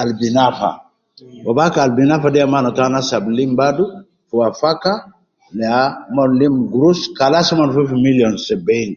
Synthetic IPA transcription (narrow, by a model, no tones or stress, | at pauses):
albinafa̰ | wabakalbinafadiamanat̪anasablimbadu | fuafaka | leamɔnlimɡɾuskalasamanfufimiljɔnseben